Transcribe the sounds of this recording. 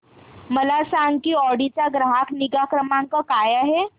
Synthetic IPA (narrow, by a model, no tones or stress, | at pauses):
məlasaŋɡkiːɔɽit͡ɕaɡɾaɦakniɡakɾəmãŋkakajaɦe